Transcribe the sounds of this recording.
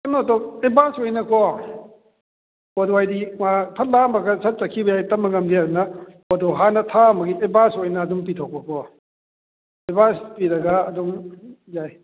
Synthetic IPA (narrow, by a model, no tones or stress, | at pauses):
kɐnotɔebasɔjnɐkɔ | podowajdimapʰɐt̚lamɐɡɐsʰɐt̚t͡ʃɐkʰibɐjajtɐmːɐŋɐmdiadunɐpodɔɦanɐtʰamɐɡiebasojnɐːdump̬itʰɔk̚pɐkʰɔ | ebaspiɾɐɡɐːdumjaj